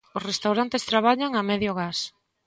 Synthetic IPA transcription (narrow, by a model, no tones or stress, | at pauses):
ʊsrest̪awɾant̪est̪ɾaβ̞aʎaŋamɛðjʊɣas